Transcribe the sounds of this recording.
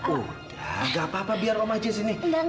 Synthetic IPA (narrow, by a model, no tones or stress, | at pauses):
ud̥aɡaːpaːpabiaramad͡ʒɪs̬iniɡa